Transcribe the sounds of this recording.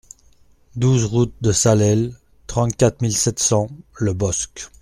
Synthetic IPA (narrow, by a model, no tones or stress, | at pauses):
d̪uzʁut̪̚d̪əsalɛl | t̪χɑ̃t̪kʲat̪χmilsɛt̪sɑ̃ləbɔsk